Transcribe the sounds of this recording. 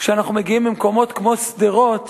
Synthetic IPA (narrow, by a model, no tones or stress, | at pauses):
kʃeanaχnumeɡiimbimko̞mo̞t̪kmo̞sd̪iʁo̞t